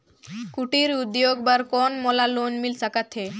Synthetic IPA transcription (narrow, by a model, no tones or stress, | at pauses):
kuʈiɾud̪joɡbaɾkɔnmɔlalonmilsakat̪ʰe